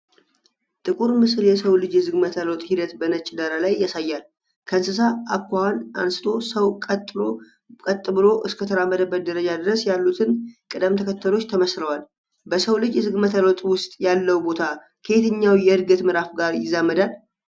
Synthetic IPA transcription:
t̪ʼɨkʼuɾmɨsljɛsəwlɨd͡ʒjɛzɨɡmət̪ʰəlot̪ʼhid̪ət̪bənət͡ʃʼɪd̪əɾalajːasajːal | kʰənsɨsaakːhana̰nsɨ̥t̪ʰo̞səwkʼt̪ʼː | kʼət̪ʼːbɨlo̞ʔɨskʰət̪ʰəɾamːəd̪əbəd̪əɾəd͡ʒad̪ɨɾəsjalːut̪ʰɨnkʼɨd̪əmt̪ʰəkʰət̪ːəlo̞t͡ʃːt̪ʰəməsɾəwal | bəsəwlɨd͡ʒjɛzɨɡmət̪ʰəlot̪ʼwʊst̪ʼjalːəwbo̞t̪ʰa | kʰəet̪ʰɨɲːawjɛɨɾɡət̪mɨɾafɡaɾjɪzːamːəd̪al

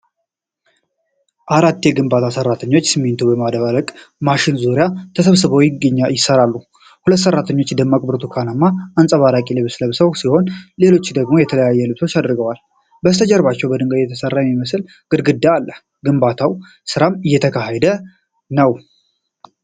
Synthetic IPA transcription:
ʔaɾat̪ːjɛɡɨmbat̪ʰasərːat̪ʰəɲːo̞t͡ʃːsɨmːent̪ʰubəmad̪βaɾəkʼmaʃɪnzoɾjat̪ʰəsəβsɨβəwjɪɡəɲːajɪsːəɾalːu | hulət̪ːsərːat̪ʰəɲːo̞t͡ʃːd̪əmːakʼbɾt̪ʰukʰanəmːaansʼəβaɾakʼilɨβsləβsəwsiho̞nle̞lo̞t͡ʃːd̪əɡmo̞jɛt̪ʰələjajːɛlɨβsot͡ʃːad̪ɾɡəwal | bəst̪ʰəd͡ʒʼɛɾβat͡ʃːɛwbəd̪ɨŋɡəd̪jɛt̪ʰəsərːajmiməsl | ɡ̥ɨd̪ɡɨd̪ːaalːə | ɡɨmbat̪ʰaw | sɨɾamɨjːɛt̪ʰəkʰaɦɛd̪ə | nəw

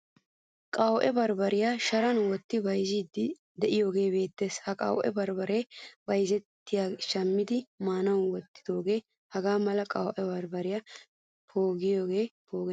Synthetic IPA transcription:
kʼɐwʔɛbɐɾbɐɾɪjaʃɐɾɐnwɔt̪ːɪbɐjziːd̪ɪ | d̪ɛʔɪjo̞ːɡe̞ːbe̞ːt̪ːe̞ːshɐkʼɐ̰wʔɛ̰bɐɾbɐɾe̞ːbɐjzɛt̪ːɪjaːʃɐmːɪd̪ɪmaːnɐwwɔt̪ːɪ̥d̪o̞ːɡe̞ː | hɐɡaːmɐlɐkʼɐwʔɛbɐɾbɐɾɪjɐ | pʰoːɡɪjo̞ːɡe̞ːpo̞ːɡɛ

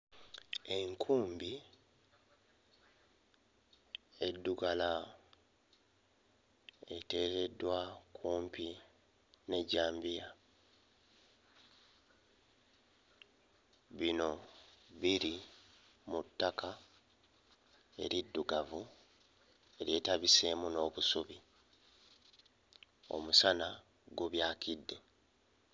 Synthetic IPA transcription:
e̞ŋkʰuːmbi | e̞dːuɡala | e̞te̞ːɾe̞dːwakʰuːmpi | ne̞ɟaːmbija | βino̞βiɾi | mutːakʰa | e̞̰ɾidːuɡavu | e̞ɾje̞ːtaβise̞muno̞ːβusuβi | o̞̰musana | ɡuβjaːkidːe̞

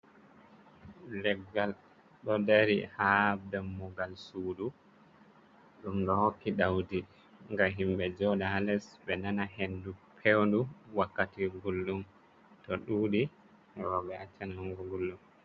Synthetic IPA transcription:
lɛɡːal | ɗɔdeɾḭhabdamːɔɡalsuːdu | ɗumɗɔhokːiɗawdi | ŋɡaɦimbɛd͡ʒɔɗaalɛsɓɛnanaɦendupʰewnduwakːatiɡulːum | tɔɗuːɗi | wɔbɛat͡ʃːɛnaŋɡɔɡulːum

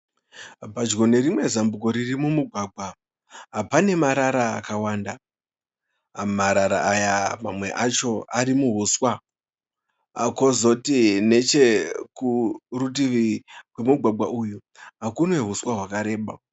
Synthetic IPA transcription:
bʱad͡ʒɡo̞ne̞ɾimwe̞zambuko̞ɾirimumuɡʱwaːɡʱwa | ɦapane̞maɾaɾa̰ːkawaːnda | maɾaɾa̰ʔajamamwe̞̰ʔat͡ʃo̞aɾimuɦuswa | ako̞zotine̞t͡ʃe̞kurut̬iʋikwe̞muɡʱwaɡ͡bʱwaʔuju | ɦakunwe̞ɦuswaɦwakaɾe̞ːɓa̰

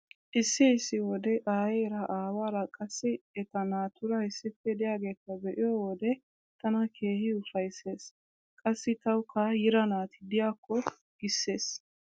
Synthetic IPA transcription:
ʔɪsːɪɪsːɪwɔd̪ɛʔaːjɛɾɐʔaːwaːɾɐkʼɐsːɪɛt̪ɐnaːt̪ʊɾɐhɪsːɪfːɛd̪ɪjaːɡe̞ːt̪ːɐbɛʔɪjɔwɔd̪ɛ | t̪ɐnɐkʰe̞ːhɪʊfɐjse̞ːs | kʼɐsːɪt̪ɐwkʰɐjɪɾɐnaːt̪ɪd̪ɪjaːkːɔ | ɡ̥ɪsːe̞ːs

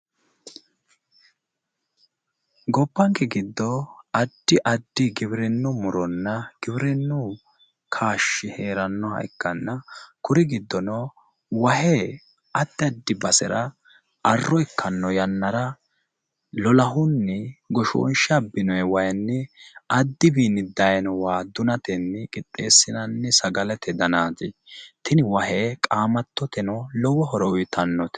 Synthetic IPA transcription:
ɡɔpːɐŋkɛɡɪd̪ːɔɐd̪ːɪʔɐd̪ːɪɡɪβɾɛnːʊmʊɾɔnːɐɡ̥ɪbɪɾɛnːʊ | kʰaːʃːɪheːɾɐnːɔhɐ̰jkːɐnːɐkʊɾɪɡɪd̪ːɔnɔ | wɐhɛ | ɐt̪ːɪɐd̪ːɪbɐsɛɾɐ | ɐrːɔɛkːɐnːɔjɐnːɐɾɐ | lɔlɐɦʊnːɛɡɔʃo̰ːnʃɐbːɪnɔjɛwɐjnːɛɐd̪ːɪbiːnɪd̪ɐjnɔwaːd̪ʊnɐt̪ɛnːɛkʼɪt̪ʼːe̞ːsːɪnɐnːɛsɐɡɐlɛt̪ʰɛd̪ɐnaːt̪ɪt̪ʰɪnɪwɐɦeːkʼaːmɐt̪ːɔt̪ɛnɔlɔwɔɦɔɾɔʊjt̪ʰɐnːɔt̪ɛ̥

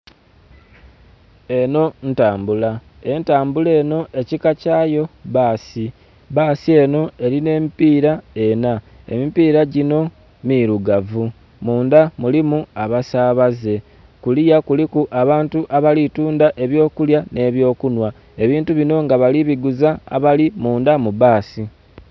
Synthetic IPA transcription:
e̞no̞n̩taːmbula | e̞ntaːmbule̞ːno̞ʔe̞cikacaːjo̞βaːsi | βaːsie̞no̞e̞ɾine̞ːmipiːɾae̞na | e̞̰mipiːɾaɟino̞ | miɾuɡavu | muːndamulimuaβasaːβaze̞ | kulijakulikuʔaβaːntuʔaβalituːndaʔe̞βjo̞ːkuljane̞ːβjo̞ːkunwa | e̞βiːntuβino̞ŋɡaβaliβiɡuza̰ːβalimuːndamuβaːsi

